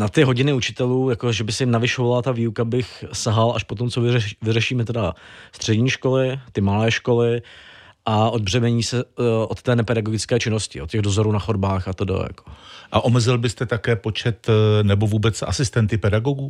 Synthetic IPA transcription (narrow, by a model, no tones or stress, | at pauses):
nat̪ɪɦo̞ɟɪnɪut͡ʃɪ̥t̪ɛluːjako̞ʒɛbɪsɛɪmnavɪʃovalat̪aviːukabɪxsaɦalʔa̰ʃpot̪o̞mt͡sovɪɛvɪrɛʃiːmɛt̪ɛdast̪r̝̥ɛdɲiːʃko̞lɪt̪ɪmalɛːʃko̞lɪ | ʔaʔod̪̚br̝ɛmɛɲiːsɛʔot̪ːɛːnɛpɛdaɡoɡɪt͡skɛːt͡ʃɪno̞scɪ̰ʔot̪cːɛɣdo̞zoɾuːnaxodbaːxat̪odo̰ja̰ko̥ʔaʔomɛzɪlbɪst̪ɛt̪akɛːpo̞t͡ʃɛt̪nɛbo̞vuːbɛt͡sʔa̰sɪst̪ɛnt̪ɪpɛdaɡoɡuː